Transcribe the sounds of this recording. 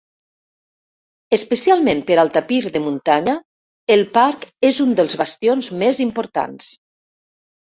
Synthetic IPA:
əspəsialˠmempəɾalˠt̪apiɾðəmunt̪aɲə | elˠpaɾkezund̪əlˠzβast̪ionzmezimpoɾt̪a̰ns

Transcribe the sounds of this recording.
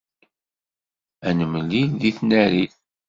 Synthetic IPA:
ænəməlːilðiθnæɾiθ

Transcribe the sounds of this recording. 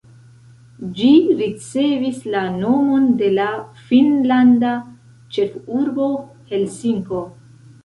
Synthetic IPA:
d͡ʒiɾit͡se̞vislano̞mo̞nde̞lafinlanda | t͡ʃe̞fuɾbo̞ | he̞lsiŋko̞

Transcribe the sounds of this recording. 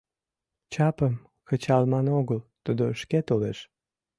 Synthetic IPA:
t͡ɕɑpəm | kət͡ɕɑlmɑnoɣəlt̪ud̪oəʃket̪oleʃ

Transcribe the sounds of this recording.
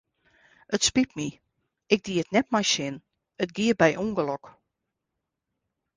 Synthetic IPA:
ətspip̚mi | ɪɡ̚diətnɛt̚majsɪn | ətɡiəbɛjʔuŋɡəlɔk

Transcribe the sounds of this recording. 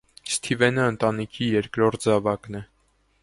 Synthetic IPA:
st̪ʰivɛnəːnt̪ɑnikʰijɛɾkɾɔɾt̪̚zɑvɑknɛ

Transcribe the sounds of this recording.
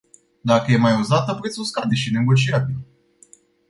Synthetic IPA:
d̪akəje̞majuzat̪əpuɾet̪so̞skad̪e̞ʃine̞ɡo̞t͡ʃiatə

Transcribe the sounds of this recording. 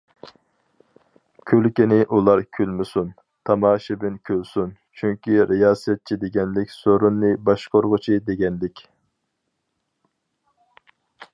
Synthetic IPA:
kʲʰølkʲinɪʔulˠɑɾkʲʰylmɪsun | t̪ʰɑmɑːʃɪbɪnkʲʰølsun | t͡ʃʰyŋkʲiɾejɑːsɛt̪̚t͡ʃʰid̪eɡʲɛnlɪkʲsoɾunːɨbɑʃqoɾʁʊt͡ʃʰid̪eɡʲɛnlɪkʲ

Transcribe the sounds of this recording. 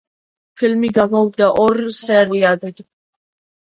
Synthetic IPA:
pʰilmiɡaɡɔwd̪aʔɔɾsɛɾiad̪ɛd̪

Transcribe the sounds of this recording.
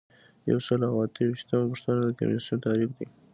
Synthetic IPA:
ja̰wsəlawat̪əwiʃt̪əmapəʂt̪anad̪əka̰mḭsunt̪ɑɾikd̪i

